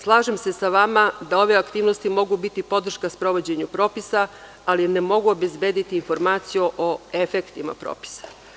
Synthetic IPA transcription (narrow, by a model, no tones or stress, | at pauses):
slˠaːʒemse̞saʋamad̪ao̞ʋeakt̪iːʋnost̪imo̞ɡubit̪ipo̞d̪r̩ʃkaspɾo̞ʋo̞d͡ʑe̞ɲupɾo̞ːpisaː | linemo̞ɡuobe̞zbe̞ːd̪it̪iːnfo̞ɾmaːt̪sijuʔoefekt̪ima̰pɾo̰ːpi̥sḁ